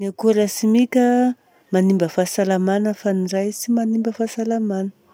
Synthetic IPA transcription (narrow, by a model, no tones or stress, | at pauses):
niakuləsimikʲə | manimbəfasalamanəfanirajsimanimbəfasalamanə̥